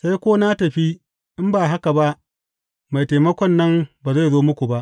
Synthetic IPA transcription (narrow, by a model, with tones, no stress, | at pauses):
sa˦jkʷoː˦na˦tɐ˨ɸi˦ | ʔɪ˦mbaː˨ɦa˦ka˨ba˦ʔ | ma˨jteː˨mɐ˦kʷɔ˦nːɐ˦mbaː˨za˦˨zoː˦mʊ˦kʷu˨ba˦ʔ